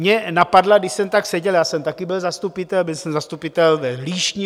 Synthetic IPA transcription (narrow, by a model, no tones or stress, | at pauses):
mɲɛnapadlaɡdɪʃsɛmt̪aksɛɟɛljaːsɛmt̪akɪbɪlzast̪upɪt̪ɛlbɪlsɛmzast̪upɪt̪ɛlvɛɦliːʃɲi